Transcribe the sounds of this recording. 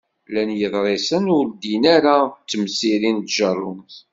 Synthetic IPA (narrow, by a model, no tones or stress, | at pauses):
lænjəðˤɾˤesənʊɾd̪inaɾat͡sːəmsiɾint̪ʒərˤːʊmθ